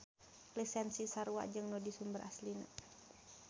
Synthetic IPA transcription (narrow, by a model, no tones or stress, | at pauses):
lisɛnsisaɾua̰ʔd͡ʒɨŋnɔdisumbərʔaslina̰